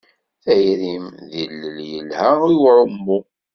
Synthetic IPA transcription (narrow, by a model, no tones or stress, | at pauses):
θæjɾimðilːəljəlhæiwɾˤəmːu